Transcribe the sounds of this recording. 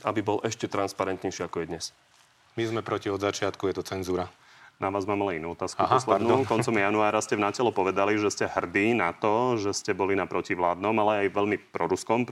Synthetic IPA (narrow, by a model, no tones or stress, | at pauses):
abibɔlʔɛʃcɛt̪ɾanspaɾɛnt̪ɲɛjʃiːakɔjɛd̪ɲɛs | mizmɛpɾɔciɔd̪zat͡ʃɪat̪kujɛt̪ɔt͡sɛnzuːɾa | naʋaːzmaːmalɛinuːɔt̪aːskuɦɔslɛd̪nukɔnt͡sɔmjanuaːɾascɛvnacɛlɔpɔʋɛd̪aliʒɛscɛhr̩d̪iːnat̪ɔʒɛscɛbɔlinapɾɔciʋlaːd̪nɔmalɛajʋɛʎmipɾɔɾuskɔm